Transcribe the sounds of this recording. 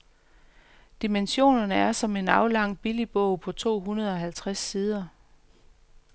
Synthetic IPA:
d̥imenɕo̝̰ːnɐnəæɐsɒ̽me̝nɑ̈ʊlɑ̈ŋ̰b̥ilib̥ɔʊ̰pʰɒ̽t͡sʰo̝̰ːɦunɐð̞ˠɒ̽ɦælt͡sʰʁasːiːð̞ˠɐ

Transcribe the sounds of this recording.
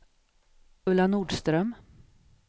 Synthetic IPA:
ɵlːanuːɖst̪ɾœm

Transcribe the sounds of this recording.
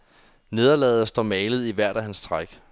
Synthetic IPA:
ne̝ð̞ˠɐlɛ̰ːð̞̩ˠɐsd̥ɒ̰mɛːlð̞̩ˠiʋæɐ̰ɾ̥æɦænst͡sʰʁaɡ̥

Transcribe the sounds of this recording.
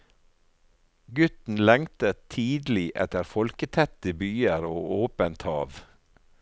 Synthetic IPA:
ɡʉt̪n̩lɛŋt̪ət̪ʰiːd̪l̩ɪʔɛ̰t̪əɾfɔlkət̪ʰɛt̪əbyːəɾoːʔoːpənt̪hɑ̰ːʋ

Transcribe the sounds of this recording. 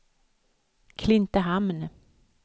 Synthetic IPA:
kʰlɪnt̪əɦamn

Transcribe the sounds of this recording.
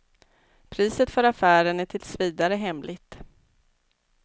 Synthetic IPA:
pʰɾiːsət̪fœɾafæːɾənæʈʰɪlsviːd̪aɾəɦɛmlɪt̪

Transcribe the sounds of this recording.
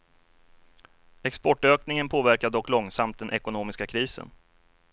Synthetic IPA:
ɛkspɔʈːøːknɪŋənpʰoːvæɾkaɖ̪ɔkːlɔŋsamt̪̚d̪ɛnʔɛkʊnoːmɪskakʰɾiːsə̰n

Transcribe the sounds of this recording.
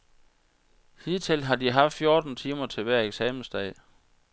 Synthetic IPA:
hið̰ˠt͡sʰe̝lɦɑ̈d̥iɦɑ̈fd̥fjo̝ːd̥n̩t͡sʰiːmɐt͡sʰe̝lʋæɐ̰eɡ̥sɛːmn̩sd̥ɛ̰ɪ̰

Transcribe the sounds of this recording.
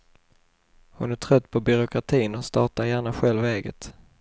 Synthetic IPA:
hʊnæʈʰɾœt̪ːpʰɔbʏɾʊkʰɾat̪ʰiːnɔst̪ɑːʈaɾjæːɳaɧɛlvɛːɡə̰t̪

